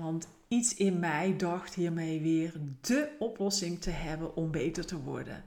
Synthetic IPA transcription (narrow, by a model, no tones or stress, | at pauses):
ʋɑnt | itsɪnmɛjdɑxtɦiːɹmejʋɪːrdəɔplɔsɪŋtəɦɛbənʔɔmbejtəɹtəʋɔ̰ɹdə̰n